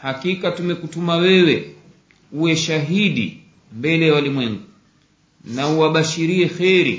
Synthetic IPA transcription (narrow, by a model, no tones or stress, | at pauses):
hakikatumɛkutumawɛwɛ | uwɛʃaɦiɗḭ | mbɛlɛjawalimwɛŋɡu | nauwaɓaʃiɾiɛxɛɾḭ